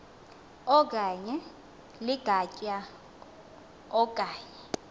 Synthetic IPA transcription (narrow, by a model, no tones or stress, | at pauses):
ɔk̬ʼaɲɛ | liɡ̥ʱacʼa | ɔk̬ʼaːɲɛ